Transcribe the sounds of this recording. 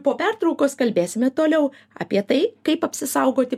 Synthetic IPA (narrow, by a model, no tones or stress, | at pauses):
poːpʲært̪ɾɐʊkoːskɐlʲbʲeːsʲɪmʲɛt̪oːlʲɛʊ | ɑ̰ːpʲiɛt̪ɐɪkɐɪpɐpʲsʲɪsɐʊɡoːt̪ʲɪ